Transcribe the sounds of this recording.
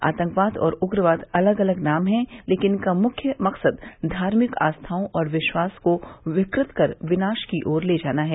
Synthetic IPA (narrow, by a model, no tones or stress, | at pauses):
a̰ːt̪ə̃ŋkʋaːt̪ʰɔ̰ːɾʊɡɾəʋaːt̪ɐləɡɐləɡnaːmɦɛ̃leːkɪnkamʊkʰjəmɐqsəd̪d̪ʱaːɾmɪka̰ːst̪ʰaːõʔɔːɾʋɪʃwaːskoʋɪkɾɪt̪kɐɾʋɪnaːʃkiʔoːɾleːd͡ʒaːnaɦɛː